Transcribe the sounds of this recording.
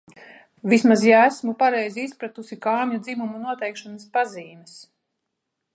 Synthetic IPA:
vismazjaæsmupaɾɛjziispɾat̪usikaːmʲɲud̪zimumunuɔt̪ɛjkʃanaspaziːmɛs

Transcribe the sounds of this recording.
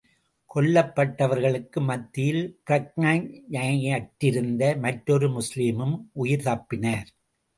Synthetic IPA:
kʰɔɭːɐpːɐʈːɐʋɐɾɣɐɭɯkːɯmɐt̪ːɪjɪlkɪɾɐk̚nɐɲɐɐjɐʈːɪɾɯnd̪ɐmɐʈɾɔɾɯmʊsliːmɯmʔʊjɪɾðɐːpːɪnɐːɾ

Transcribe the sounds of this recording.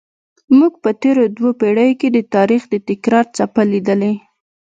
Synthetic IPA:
muɡpət̪eɾod̪wopeɽəjoked̪ət̪ɑɾixd̪ət̪ɪkɾɑɾt͡sapalid̪əle

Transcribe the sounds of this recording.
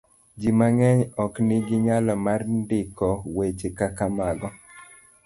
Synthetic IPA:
d͡ʒimaŋɛɲɔknɪɡɪɲalɔmarndɪkɔwet͡ʃekakamaɡɔ

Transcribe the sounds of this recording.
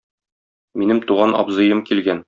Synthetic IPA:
minɘmt̪uʁɑnɒ̰bzɤ̆jɤmkilɡæn

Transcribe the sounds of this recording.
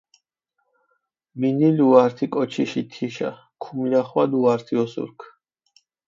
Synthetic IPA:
miniluaɾt̪ʰikʼɔt͡ʃʰiʃit̪ʰiʃa̰ | kʰumlʲaχwad̪uaɾt̪ʰiɔsṵɾkʰ

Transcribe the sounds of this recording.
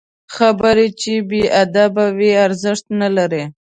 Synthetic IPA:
xabəɾet͡ʃebeʔad̪abawiaɾzɪʂt̪nalaɾe

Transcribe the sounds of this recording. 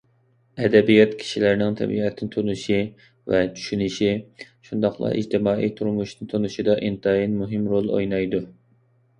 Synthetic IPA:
ɛd̪ɛbijɑt̪kʲʰi̥ʃilɪɾnɪŋt̪ʰɛ̰bḭʁɛt̪ʰːɪnɪt̪ʰonuʃi | vɛt͡ʃʰy̥ʃynɪʃiʃund̪ɑχlˠɑ̰ʔḭd͡ʒt̪ʰɪmɑːʔḭjt̪ʰuɾmuʃnɨnt̪ʰonuʃid̪ɑʔint̪ʰɑjinmuɦɪmɾolˠo̰jnɑjd̪u

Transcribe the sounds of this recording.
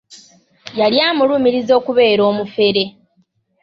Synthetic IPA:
jaljaːmulumiɾizo̞ːkuβe̞ːɾo̞ːmufe̞ɾe̞

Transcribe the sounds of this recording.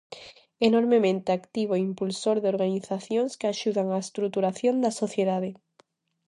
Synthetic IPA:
enoɾmemẽnt̪eakt̪iβ̞oeimpulsoɾðeoɾɣaniθaθjoŋskaʃuð̞aŋaest̪ɾut̪uɾaθjond̪asoθjeðað̞e

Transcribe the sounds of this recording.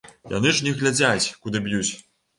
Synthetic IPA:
ja̰nɨʐnʲɛɣlʲad͡zʲat͡sʲkud̪ɨbjut͡sʲ

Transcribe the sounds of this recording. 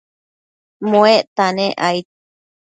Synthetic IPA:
moeʔt̪anẽʔajt̪̚

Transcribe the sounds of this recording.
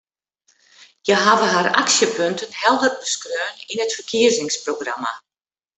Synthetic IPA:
jəɦavəɦara̰ksjəpøntʰənhɛlˠdərbəskrøːninətfərkʰiəzɪŋsproɡrama̰

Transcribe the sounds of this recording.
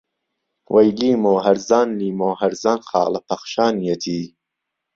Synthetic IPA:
wʔɐjliːmoːɦɐɾzaːnliːmoːɦɐɾzaːnxɑ̰ːlɐpʰɐχʃaːnijɐt̪ʰiː

